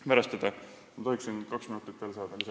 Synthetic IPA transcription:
pæɾɑst̪ɑd̪̥ɑ | mɑt̪ohiksinkɑksminut̪ːˑit̪ːvelsɑːd̪̥ɑlis

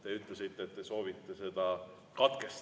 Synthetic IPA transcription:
t̪e̞yt̪ˑlesit̪ːet̪ːeso̞ːvit̪ːe̞se̞d̪̥ɑ | kɑt̪ke̞st

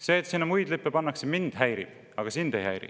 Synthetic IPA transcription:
se̞ːt̪ːsinːɑmujd̪̥lipːepɑnːɑksemind̪̥hæjɾib̥ | ɑɡ̥ɑsind̪̥ejhæ̰jɾḭ

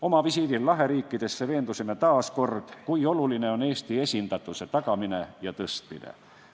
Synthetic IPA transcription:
o̞mɑvisid̪ilːɑɦe̞ɾiːkːid̪̥e̞sːeve̞ːnd̪usinːet̪ɑːsko̞rd̪̥kuio̞lulineo̞ne̞ːst̪ie̞sʲind̪̥ɑt̪ːˑuse̞t̪ɑkɑmine̞jɑt̪ɤst̪mḭnḛ

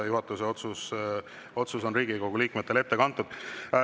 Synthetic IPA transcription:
juɦɑt̪ːˑuseot̪sus | o̞t̪suso̞nriːɡiɡo̞ɡ̥uliːkmet̪ːele̞t̪ːe̞kɑnt̪ːˑud̪̥

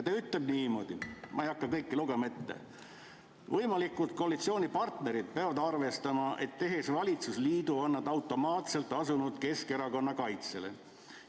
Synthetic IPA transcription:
t̪eyt̪ːˑle̞b̚niːmo̞d̪̥imʔɑ̰ejɑkːɑkɤjkːiluɡ̥e̞mɑet̪ːḛ | vɤjmɑlikːˑult̪̚ko̞ɑlit̪sio̞ːnʲipɑrt̪ne̞ɾid̪̥̚peɑvɑd̪ɑrve̞st̪ɑmɑʔe̞t̪ːe̞ɦe̞svɑlʲit̪susliːd̪̥uonːɑd̪ɑwt̪ːˑo̞mɑːt̪se̞lt̪ːˑɑsunud̪̥ke̞ske̞ɾɑko̞nːɑkɑjt̪sele̞̰

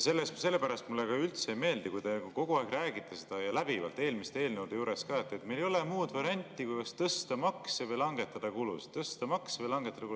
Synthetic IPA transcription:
se̞lːest̪kuse̞lːepæɾɑst̪mulːekɑylt̪seejme̞ːld̪ikujd̪e̞uko̞ɡ̥uɑeɡ̥ræːɡit̪ːˑese̞d̪̥ɑjɑlæb̥ivɑ̰lt̪e̞ːlmist̪ee̞ːlnewd̪̥ejuːɾe̞skɑːet̪ːˑet̪ːmelejo̞lemuːd̪vɑɾiɑnʲt̪ʲːˑikujɡ̥̪ɑst̪ɤst̪ɑmɑksevɤjlɑŋɡe̞t̪ːˑɑd̪̥ɑkulṵstt̪ːɤst̪ɑmɑksevəjlɑŋɡet̪ːɑd̪ɑku

